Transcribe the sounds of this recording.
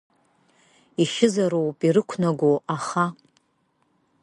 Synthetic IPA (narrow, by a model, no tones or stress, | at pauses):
iʃɪzaɾowpʼiɾɨkʷʰnaɡʷoaχa